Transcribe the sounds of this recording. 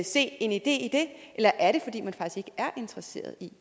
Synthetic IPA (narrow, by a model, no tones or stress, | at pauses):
se̝̰ːe̝nid̥e̝̰ːid̥e̝ʔelɐʔæɐɾe̝fɒ̽d̥ḭːmænfɑ̈ɡ̥isɡ̥e̝ɡəæɐʔe̝nd̥ʰʁɐse̝̰ːɐð̞ˠi